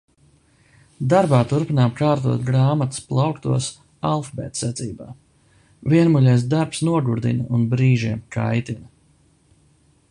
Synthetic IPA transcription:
d̪aɾbaːt̪uɾpinaːmkaːɾt̪uɔt̪ɡɾaːmat̪u̥splˠawkt̪uɔs | alˠfbɛ̰ːt̪sɛt̪siːba̰ː | viɛnmuʎʲɛjs̬d̪aɾpsnuɔɡuɾd̪ḭnaunbɾiːʒiɛmkʰa̰jt̪inɐ

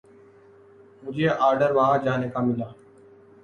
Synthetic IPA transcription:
mʊd͡ʒeːʔaːɾɖəɾʋãːd͡ʒaːneːkaːmɪlaː

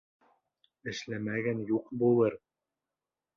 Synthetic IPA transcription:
ɘ̆ʃlæmæɡænjuqbulˠɤɾ

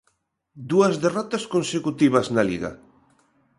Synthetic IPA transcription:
d̪uɐzðerɔt̪ɐskonsekut̪iβɐznaliɣɐ̰

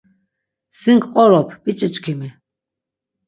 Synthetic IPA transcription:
siŋkʰʼqʼɔɾɔpʰbit͡ʃʼit͡ʃʼkʰimi

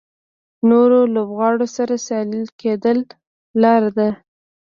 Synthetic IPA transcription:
noɾolobɣɑɽosaɾasɑlilked̪əlː | ɑɾad̪a

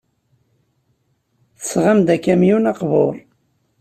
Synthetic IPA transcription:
θə̥sʁamd̪ækːæmjunɑqvoɾˤ

